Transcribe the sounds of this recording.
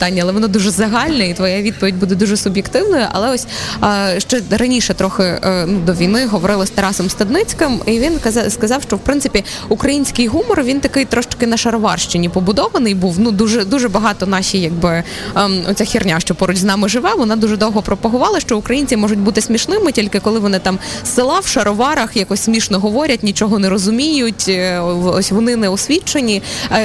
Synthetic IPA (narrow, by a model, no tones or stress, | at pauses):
t̪ɑnʲːɐlˠɛʋɔnɑd̪uʒɛzɐɦɑlʲnɐit̪ʋɔjaʋʲid̪̚pɔʋʲidʲbud̪ɛd̪uʒɛsʊbʲjɛkt̪ɪwnɔjʊʔɐ̰lˠɛɔsʲ | ʃt͡ʃɔɾɐnʲiʃɛt̪ɾɔxɪnud̪ɔʋʲijnɪɦɔʋɔɾɪlˠɐsʲt̪ɐɾɑsɔmst̪ɐd̪nɪt͡sʲkɐmiʋʲinskɐzɑwʃt͡ʃɔwpɾɪnsɪpʲiukɾɐjinʲsʲkɪjɦumɔrʋʲint̪ɐkɪjt̪ɾɔʃt͡ʃ̪ɐ̥kɪnɐʃɐɾɔʋɑrʃt͡ʃɪnʲipɔbʊd̪ɔʋɐnɪjbuwnud̪uʒɛd̪uʒɛbɐɦɑt̪ɔnɑʃʲijɐɡbɪ | ɔt͡sʲaxʲirnʲaʃt͡ʃɔpɔɾʊt͡ʃʲznɑmɪʒɪʋɛʋɔnɑd̪uʒɛd̪ɔwɦɔpɾɔpɐɦʊʋɑlˠɐʃt͡ʃɔʊkɾɐjinʲt͡sʲimɔʒʊtʲbut̪ɪsʲmʲiʃnɪmɪtʲilʲkɪkɔlˠɪʋɔnɪt̪ɑmsɪlˠɑwʃɐɾʔɔʋɑɾɐxjakɔsʲsʲmʲiʃnɔɦɔʋɔɾʲɐt̚ʲnʲit͡ʃɔɦɔnɛɾɔzʊmʲijʊtʲɔsʲʋɔnɪnɛɔsʲʋʲit͡ʃenʲi